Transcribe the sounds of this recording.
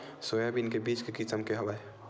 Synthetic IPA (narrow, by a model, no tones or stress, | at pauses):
sojabinkebit͡ʃkekisəmkeɦobaj